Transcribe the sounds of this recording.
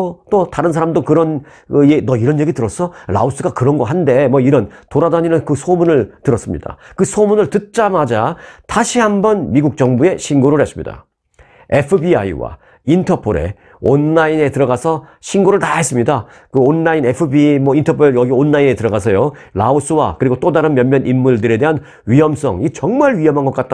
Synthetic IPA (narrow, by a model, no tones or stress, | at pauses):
t͈otaɾɯns̬ʰaɾamdokɯɾʌn | ɯenʌiɾʌnje̞ɡitɯɾʌs͈ʰʌɾa̰us͈ɯɡakɯɾʌnɡʌɦande̞mʌiɾʌntoɾadaɲinɯnkɯsʰomunɯɭtɯɾʌs͈ɯmɲḭd̥a̰kɯsʰomunɯɭtɯt̚t͡ɕ͈amad͡ʑataɕʰiɦambʌnmiɡuk̚t͡ɕ͈ʌŋbue̞ɕʰinɡoɾɯɾhe̞s͈ɯmɲḭda̰ | e̞pʰɯbiaiwa̰ | intʰʌpʰoɾe̞̰ | onːaine̞tɯɾʌɡasʰʌɕʰinɡoɾɯɭtaɦe̞s͈ɯmɲida | kɯonːaine̞pʰɯbimʌintʰʌpʰoejʌɡionːaine̞tɯɾʌɡasʰʌjolaos͈ʰɯwakɯɾiɡot͈odaɾɯnmjʌnmjʌnʔimːuɭdɯɾe̞de̞ɦan | ɥiɦʌms͈ʌ̰ŋit͡ɕʌŋmaɭɥiɦʌmɦanɡʌk͈at̚t͈a